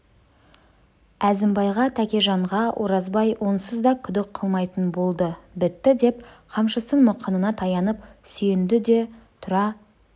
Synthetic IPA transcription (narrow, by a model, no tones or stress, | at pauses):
æzɪmbɑjʁɑt̪ʰækʲe̞ʒɑɴʁɑwʔo̞ɾɑzbɑjwʔo̞nsəzd̪ɑkʲʰʏd̪ɪk̚qʰəlˠmɑjt̪ənbo̞lˠd̪əbɪt̪ːɪd̪e̞p̚qʰɑmʃəsənmʊqːənənɑt̪ʰɑjɑnəpsʏjɪnd̪ɪd̪e̞t̪ʰʊɾɑ